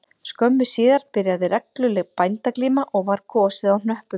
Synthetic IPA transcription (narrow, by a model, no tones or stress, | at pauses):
skœmːʏsiːðaɾ̥pɪɾjaðɪɾɛklʏlɛɣpajnt̪akliːmaʔɔɣvaɾ̥kʰɔːsɪðawn̥œhpʏ